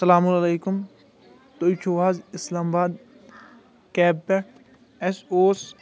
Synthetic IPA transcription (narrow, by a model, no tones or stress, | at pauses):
sɐlaːmʊlɐleːkʊm | t̪ojt͡ʃʰoːʋaːzɪslaːmabaːd̪ | kɛːbpːe | ɛsoːs